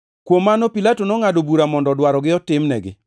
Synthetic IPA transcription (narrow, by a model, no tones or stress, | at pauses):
kwomːanopilatonɔŋadobuɾamɔndɔdwaɾɔɡɪɔtɪmnɛ̰ɡɪ̰